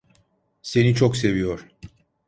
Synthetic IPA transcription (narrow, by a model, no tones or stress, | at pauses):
se̞nit͡ʃʰokse̞vijoɾ̥